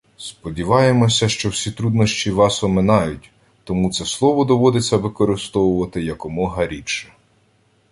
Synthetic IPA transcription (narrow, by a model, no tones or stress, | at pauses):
spɔdʲiʋɑjemɔsʲɐʃt͡ʃɔwsʲit̪ɾud̪nɔʃt͡ʃiʋɑsɔmenɑjʊtʲ | t̪ɔmut̪sɛslˠɔʋɔd̪ɔʋɔd̪et͡sʲːɐʋɪkɔɾɪst̪ɔwʊʋɐt̪ɪjɐkɔmɔɦɐɾʲit͡ʃɐ